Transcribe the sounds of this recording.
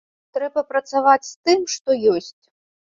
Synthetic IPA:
t̪ɾɛbɐpɾɐt̪savat͡sʲst̪ɨmʂt̪ɔjɔsʲt͡sʲ

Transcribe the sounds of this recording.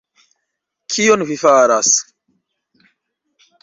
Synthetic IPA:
kʰionvifaɾas

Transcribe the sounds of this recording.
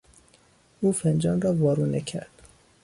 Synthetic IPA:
uːfend͡ʒɒːnrɒːvɒːɾuːnecʰæ̰ɾd̪̥

